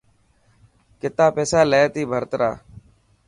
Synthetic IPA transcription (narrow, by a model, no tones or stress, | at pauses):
kɪt̪aːpeːsaːleːt̪iːbʱəɾt̪ɾa̰ː